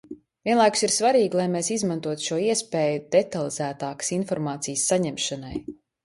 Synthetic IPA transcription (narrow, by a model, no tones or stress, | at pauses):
viɛnlˠajkʊ̥siɾsvaɾiːɡlˠajmeːsizmãnt̪uɔt̪ʃuɔiɛspeːjud̪et̪alˠizæːt̪aːkə̥sinfɔɾmaːt̪sijəsːaɲɛmʃana̰j